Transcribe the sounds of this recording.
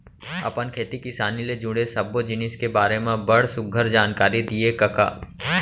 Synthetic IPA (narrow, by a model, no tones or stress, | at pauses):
ɐ̰pənkʰeːt̪ikɪsaːniled͡ʒʊ̃ɽesɐbːod͡ʒɪnɪskebaːɾemẽbɐɽsʊɡʱəɾd͡ʒaːnkaːɾid̪iekɐka̰ː